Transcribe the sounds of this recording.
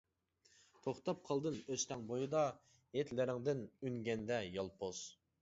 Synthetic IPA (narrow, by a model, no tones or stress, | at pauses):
t̪ʰoχt̪ɑp̚qʰɑlˠd̪ɨnøst̪ɛŋbojɨd̪ɑ | jet̪ʰlɪɾɪŋd̪ɪnyŋɡʲɛnd̪ɛjɑlˠpʰoz̥